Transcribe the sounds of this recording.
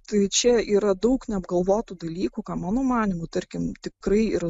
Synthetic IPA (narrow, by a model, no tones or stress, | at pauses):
t̪ɐɪt͡ʃʲɛiːɾɐd̪ɐʊknʲɛɐbɡɐlˠʋoːt̪ud̪ɐlʲiːkukɑːmɑːnoːmɑːnʲɪmuːt̪ɐɾʲkʲɪmt̪ʲɪkɾɐɪɪr